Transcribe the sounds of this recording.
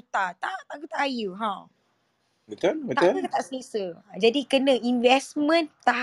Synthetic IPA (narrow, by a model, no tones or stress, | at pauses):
t̪at̪at̪aʔkut̪aʔajuɦã | wit̪ənwiaəuk̪ət̪aʔsisəd͡ʒadikənə̃ʔinvɛsmə̃nt̪a